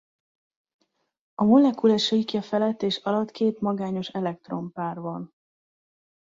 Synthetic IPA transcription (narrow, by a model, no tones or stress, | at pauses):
ɒmo̞lɛkulaːʃɒikjɒfɛlɛt̪ːeːʃɒlɒt̪kʰeːt̪mɒɡaːɲo̞ʃɛlɛk̚t̪ro̞mpaːrbɒn